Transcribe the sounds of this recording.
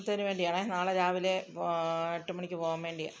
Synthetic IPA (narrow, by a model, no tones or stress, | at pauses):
t̪ːɐnuʋe̞ːɳɖijaːɳenaːɭed͡ʑaːʋile | eʈːumɐɳikʲːɨpoːɣamʋe̞ːɳɖija̰ː